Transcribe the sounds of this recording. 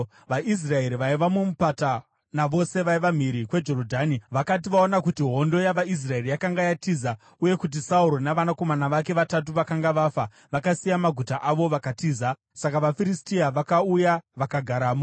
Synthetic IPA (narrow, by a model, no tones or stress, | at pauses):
ʋaʔis̬rae̞ɾiʋaiʋamumupata | naʋo̞se̞ʋaiʋam̤iɾikwe̞d͡ʒo̞ɾodʱaːniʋakat̬iʋaonakutiɦo̞ndo̞jaʋais̬rae̞rijakaŋɡajatiːza | uje̞kut̬isauɾo̞naʋanako̞manaʋake̞ʋatat̬uʋakaŋɡaʋafa | ʋakasijamaɡʱutaʔaʋo̞ʋakatiːza | sakaʋafiɾistiaʋakaujaʋakaɡʱaɾaːmo